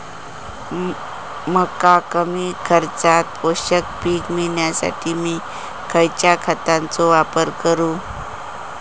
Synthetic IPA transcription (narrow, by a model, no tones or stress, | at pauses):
məkakəmiːkʰəɾt͡sat̪̚poɕək̚piːkmiɳjasa̰ʈʰiːmiː | kʰəjt͡ɕjakʰət̪ãnt͡sɔʋapəɾkəɾũː